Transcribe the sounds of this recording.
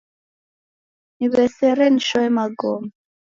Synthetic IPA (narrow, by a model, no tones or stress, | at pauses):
niβɛsɛɾɛnʃɔɛmaɡɔm